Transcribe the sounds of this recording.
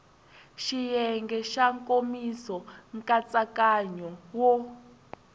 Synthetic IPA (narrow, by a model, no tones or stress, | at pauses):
ʃijɛŋɡɛʃaŋkʼomisɔŋkʼat͡sʼakʼaɲɔwɔ